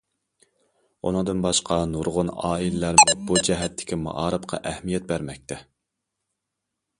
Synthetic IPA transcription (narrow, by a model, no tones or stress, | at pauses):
ṵnɨŋd̪ɨnbɑʃqʰɑnuɾʁʊnɑ̰ːilɪlæɾmʊbud͡ʒɛɦɛt̪ʰːɪ̥kʲʰimɑ̰ʔɑːɾɨpqʰɑ̰ʔɛhmijɛt̪̚bæɾmɛk̚ʲt̪ʰɛ